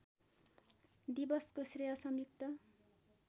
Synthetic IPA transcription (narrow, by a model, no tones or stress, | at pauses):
d̪ibʌskosrejʌsʌmjuk̚t̪ʌ